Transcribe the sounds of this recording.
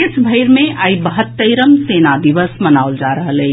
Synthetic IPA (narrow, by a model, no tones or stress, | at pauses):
esbʱəɪɾmẽʔaːibəɦət̪ːəjɾəmseːnad̪iʋəsmənaʊld͡ʒaɾəɦələː